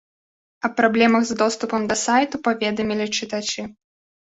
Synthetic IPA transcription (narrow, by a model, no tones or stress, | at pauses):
ɐpɾablʲɛmɐɣzd̪ɔst̪upɐmd̪ɐsajt̪upavʲɛd̪ɐmʲilʲit͡ʂɨt̪at͡ʂɨ